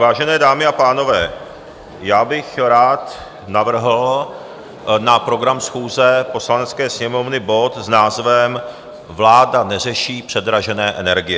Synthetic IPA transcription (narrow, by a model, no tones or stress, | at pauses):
vaːʒɛnɛːdaːmɪapaːno̞vɛː | jaːbɪxɾaːt̪ | navr̩ɦl̩ | napɾo̞ɡɾamsxuːzɛpo̞slanɛt͡skɛːsɲɛmo̞vnɪbo̞t̪znaːzvɛm | vlaːdanɛr̝ɛʃiːpr̝̥ɛd̪ɾaʒɛnɛːʔɛnɛɾɡɪjɛ